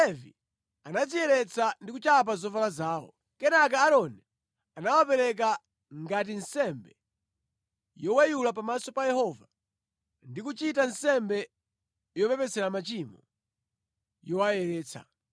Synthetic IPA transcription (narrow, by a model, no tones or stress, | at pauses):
lɛvi | anazijɛɾɛt͡sʰandikut͡ʃap̬azɔvalazaːwɔ̰ | kɛnak̬ɛːɾɔnɛ | anawapɛɾɛk̬a | ŋɡat̬insɛmbɛ | jɔwɛjulap̬amasɔpajɛhɔva | ndikut͡ʃitansɛmbɛ | jɔpɛpɛsɛɾamat͡ʃimɔ | jɔwajɛɾɛːt͡sʰa̰